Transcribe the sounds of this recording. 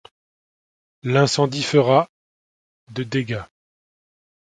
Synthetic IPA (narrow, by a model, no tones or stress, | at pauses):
lɛ̃sɑ̃d̪ifəʁa | d̪əd̪eɡa